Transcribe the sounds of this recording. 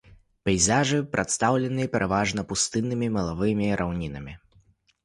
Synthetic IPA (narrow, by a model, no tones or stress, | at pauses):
pʲɛjzaʐɨpɾʔat̪st̪awlʲɛnɨɐpʲɛɾʔavaʐnɐpust̪ɨnːɨmʲimɐlˠavɨmʲiɾʔawnʲinɐmʲi